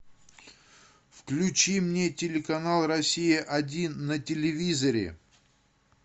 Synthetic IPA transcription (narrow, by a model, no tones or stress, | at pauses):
fklʲʉt͡ɕimnʲetʲɪlʲɪkɐnalˠrɐsʲijəʔɐdʲinːətʲɪlʲɪvʲizəɾʲɪ̰